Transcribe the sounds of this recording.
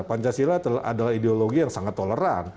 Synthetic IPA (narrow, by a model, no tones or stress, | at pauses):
paɲt͡ʃasilat̪a̰dalahideoloɡijaŋsaŋat̪ːoləɾan